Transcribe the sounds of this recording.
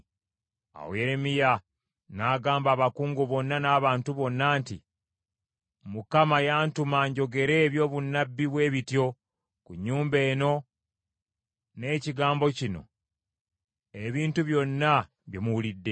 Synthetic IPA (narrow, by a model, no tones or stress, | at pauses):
a̰wo̰je̞ɾemija | naːɡaːmbaːβakuːŋɡuβo̞nːanaːβaːntuβo̞nːaːntḭ | mukamajaːntumaɲɟo̞ɡe̞ɾe̞ːβjo̞ːβunːabːiβwe̞ːβitjo̞ | kuɲːuːmbe̞ːno̞ | ne̞ːciɡaːmbo̞cino̞̰ | e̞βiːntuβjo̞nːa | βjemuwulidːe̞